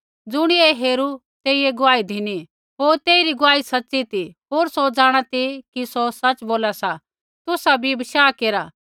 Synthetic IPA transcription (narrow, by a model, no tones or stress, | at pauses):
d͡zʊɽ̃ieɦeːɾu | t̪eːieɡʊaːid̪ʱɪni | ɦoːɾt̪eːiɾiɡʊaːisɐtːsit̪iɦoːɾsod͡zaːɽ̃at̪ikisosɐt͡ʃboːlasa | t̪ʊsabʱibɐʃaːkeːɾaː